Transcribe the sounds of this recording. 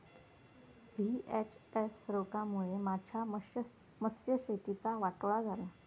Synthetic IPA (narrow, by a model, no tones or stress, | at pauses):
bʱiɛt͡ɕesɾokamuɭemad͡ʑʱja | məsjəɕet̪it͡saʋaʈʋɭad͡zʱaɾa